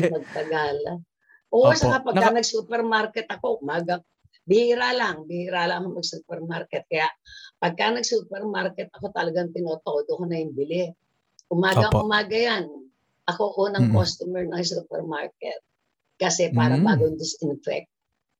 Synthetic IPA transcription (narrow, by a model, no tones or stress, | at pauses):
mɐɡ̚t̪ɐɡal | ʔosɐkapɐɡkːanɐɡsuːpɛɾmaɾkɛt̪ɐko̞ʔʊmaːɡɐ | bɪhiːɾaːlaŋbɪhiːɾalɐŋɐkoŋmɐɡ̚suːpɛɾmaɾkɛt̪̚kɐjaʔpɐɡ̚kanɐɡ̚suːpɛɾmaɾkɛt̪̚ɐko̞t̪ɐlɐɡaŋt̪ɪnoːt̪oʔd̪okonɐjɪmbɪlɪ | ʔʊmaːɡɐŋʊmaːɡɐjan | ʔɐko̞ʔonɐŋkost̪ʊmɛɹnɐŋsuːpɛ̰ɾmaɹkɛ̰t̪̚ | kɐsɛpaːɾɐbaːɡond̪ɪsʔɪnfɛ̰k̚t̪